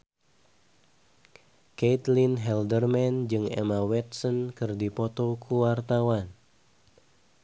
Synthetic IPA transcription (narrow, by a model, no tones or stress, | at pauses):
ket̪linɦɛldərmɛnd͡ʒɨŋɛ̰mawɛt̪̚sɔnkɨrdipɔt̪ɔkʰuwart̪awan